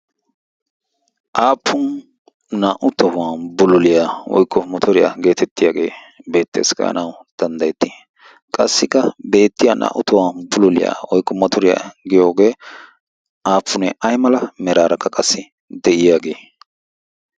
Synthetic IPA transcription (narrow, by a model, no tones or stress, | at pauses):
ʔaːpʰːʊn | naːʔʊt̪ɔwaːnbʊlʊlɪjaːwɔ̰jkːɔmɔt̪ʰɔɾɪja̰ɡe̞ːt̪ɛt̪ːɪjaːɡe̞ː | be̞ːt̪ːeːskɐ̰ɐ̰nɐwd̪̥ɐnd̪ɐjɛt̪ːɪ | kʼɐsːɪkːɐbe̞ːt̪ːɪjaːnʔa̰ːʔʊt̪ɔwaːnbʊlʊlɪ̰ja̰ːwɔjkːɔmɔt̪ɔɾɪja̰ɡɪjo̞ːɡe̞ː | ʔaːpːʊnɛʔɐjmɐlɐmɛɾaːɾʔɐkːɐkʼɐsːɪ | d̪ɛʔɪjaːɡe̞ː